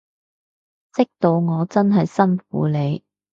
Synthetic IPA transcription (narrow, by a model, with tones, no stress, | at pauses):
t͡sɪ˥k̚t̪o˧wŋɔː˨˧t͡sɐ˥nɦɐ˨jsɐ˥nfṵː˨˥le˨˧j